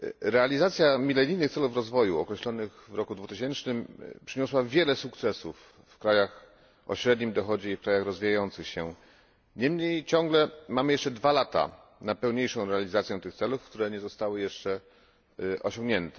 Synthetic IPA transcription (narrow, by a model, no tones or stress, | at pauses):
ɾɛalʲizat̪sʲjamʲilɛnʲijnɘxt̪sɛlufɾɔzvɔjuɔ̰kɾɛɕlɔnɘɣvɾɔkud̪vut̪ɘɕɛnt͡ʂnɘmpʂɘɲɔswavʲjɛlɛsuk̚t̪sɛsufː | kɾajax | ʔɔ̰ɕɾɛd̪ɲimd̪ɔxɔd͡ʑɛifkɾajaxɾɔzvʲijajɔnt̪sɘxɕɛ | ɲɛmɲejt͡ɕɔ̃ŋɡlɛmamɘjɛʂt͡ʂɛd̪valat̪a̰ | napɛwɲejʂɔ̃w̃ɾɛalʲizat̪sʲjɛt̪ɘxt̪sɛlufkt̪uɾɛɲɛzɔst̪awɘjɛʂt͡ʂɛ | ʔɔ̰ɕɔ̃ŋɡɲɛnt̪ɛ̥